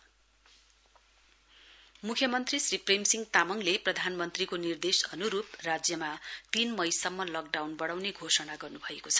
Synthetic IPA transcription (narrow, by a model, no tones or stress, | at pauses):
mukʰjʌmʌnt̪risripremsiŋɡt̪amʌŋleprʌd̪ʱanmʌnt̪rikonird̪esʌnuɾup̚rad͡zjʌmat̪inmʌjsʌmːʌlʌk̚ɖawnbʌɽawneɡʱosʌnaɡʌrnubʱʌekot͡sʰʌ̥